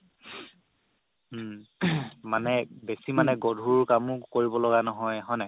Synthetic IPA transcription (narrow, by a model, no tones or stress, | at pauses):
manɛbesimanɛɡɔdʱukamʊkoɹibɔlɔɡanɔɦɔjɦɔjnɛ